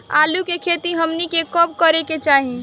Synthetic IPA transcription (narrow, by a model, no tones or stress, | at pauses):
aːlukekʰet̪iɦəmnikekɔb̚kəɾeket͡ʃaːɦi